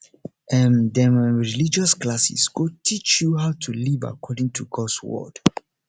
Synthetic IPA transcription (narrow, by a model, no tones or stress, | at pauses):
ʔɛ̃ndɛmaɹilid͡ʒɔsklasḭsɡotʰit͡ʃjuɦaʊtʰuliva̰kʰɔdĩŋtʰuɡɔdswɔ̰d̥